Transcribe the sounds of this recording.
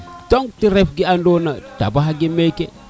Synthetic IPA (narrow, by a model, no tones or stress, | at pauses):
toŋɡtiɾefɡiandonata̰baɦaɡimeke